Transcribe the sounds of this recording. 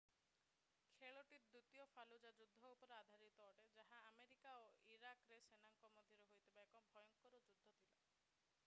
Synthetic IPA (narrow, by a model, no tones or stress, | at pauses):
kʰeɭɔʈiɾd̪ut̪jɔfʰalud͡ʒad͡ʒud̪ʱːɔupɔɾead̪ʱaɾit̪ɔːʈed͡ʒaɦaːmeɾikaoiɾakɾesenaŋkɔmɔd̪ʱjɔɾeɦojt̪ʰibaekɔbʱɔjɔŋkɔɾɔd͡ʒud̪ʱːɔt̪ʰila